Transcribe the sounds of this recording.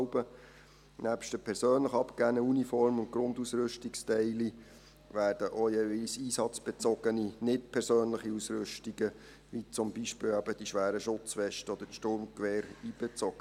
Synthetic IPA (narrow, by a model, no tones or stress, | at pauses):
ʊbə | næpʃtdəpʰɛɾsøːnləχɑpkænəunifɔɾmʊntɡɾʊndusɾʏʃtikstɛɪli | ʋæːɾd̥əʔojeːvilsiːsɑt͡sb̥ɛt͡sɔɡ̥əninɪt̚pʰɛɾsøːnləχiusɾɵʃtiɡə | ʋit͡sʊmbiʃpɪːlæbəd̥iʃʋæːɾəʃʊt͡sʋɛʃtəɔd̥̪ətʃtʊɾmkʋɛːɾiːb̥ɛt͡sɔɡ̥ə